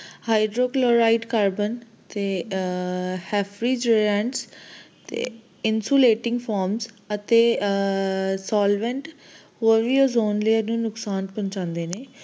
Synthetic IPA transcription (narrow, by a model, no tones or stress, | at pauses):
haːɪɖɾoːkloːɾaːiɖkaːɾbən | t̪eː | hɛːpʰɾiːd͡ʒeɛ̃ɳʈst̪ḛ | ɪnsoːleːʈɪ̃ŋɡpʰɔːɾmz | ət̪eː | saːlʋɛ̃ɳʈ | ɦoːɾʋiːoːzoːnləːənũːnʊksaːnpə̃ɲt͡ʃãːnd̪eːneː